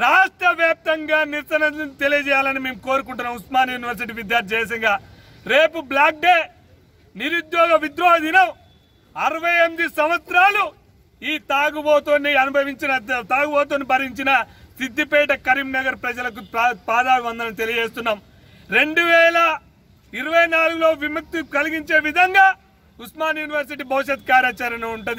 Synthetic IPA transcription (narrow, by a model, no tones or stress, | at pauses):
ɾaːʂʈɾɐʋjaːp̚t̪ɐŋɡaːniɾt͡ʃɐnɐt̪e̞lijɐd͡ʒɛːjaːlɐnime̞ːmko̞ːɾukuɳʈunːaːmusmaːnɐjuːniʋɐɾs̬iʈ̬iːʋid̪jaːɾt̪ʰʲɐd͡ʒeːjs̬ɐŋɡaː | ɾe̞ːpublaːk̚ɖeː | niɾud̪jɔːɡɐʋid̪ɾoːɐd̪inɐm | ɐɾɐʋɐjemid̪isɐmʋɐt̪sɾaːlu | iːt̪aːɡuboːt̪onːiɐnubʱɐʋiɲt͡ʃinɐt̪aːɡubɔːt̪oːnibɐɾiɲt͡ʃinɐ | sid̪ʱːipɛːʈɐkɐɾiːmnɐɡɐɾpɾɐd͡ʒɐlɐk̬upaːd̪aːiʋɐnd̪ɐnɐnit̪e̞lijɐd͡ʒeːst̪unːaːm | ɾe̞ɳɖuʋɛːlɐ | iɾɐʋɐjnaːluɡulo̞ːʋimuk̚t̪ːikɐliɡiɲt͡ʃe̞ːʋid̪ʱɐŋɡaː | usmaːnjuːniʋɐɾs̬iʈibɐwuʃɐt̪kaːɾjaːt͡ʃaɾɐniuɳʈund̪i